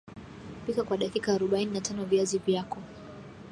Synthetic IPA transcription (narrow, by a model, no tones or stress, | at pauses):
pikakwaɗakikaːɾuɓaininatʰanɔvjazivjakɔ